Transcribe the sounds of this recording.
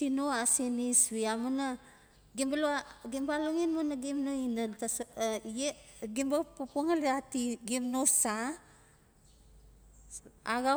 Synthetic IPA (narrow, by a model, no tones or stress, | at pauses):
tinoasinisβiamuna | ɡimbaloaɡimbaluŋinmonaɡimnoinantase | ɡimbapupuŋaliatiɡimnosa | aɡa